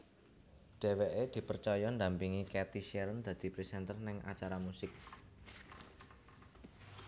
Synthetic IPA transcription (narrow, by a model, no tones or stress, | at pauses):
ɖ̪̥e̤weʔed̪̥i̤pərt͡ʃɔjɔnd̪a̤mpiŋikɛt̪iʃɛɾənd̪̥ä̤d̪̥i̤pɾisɛnt̪ərnɪŋa̰t͡ʃaɾamusɪk̚